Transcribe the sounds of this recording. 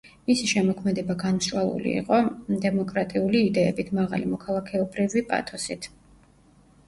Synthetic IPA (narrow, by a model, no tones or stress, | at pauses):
misiʃɛmɔkʰmɛd̪ɛbaɡanmʃwalˠṵlḭḭqʼɔd̪ɛmɔkʼɾat̪ʼiuliːd̪ɛːbit̪ʰmaʁa̰limɔkʰalˠakʰɛɔbɾivipʼa̰t̪ʰɔsit̪ʰ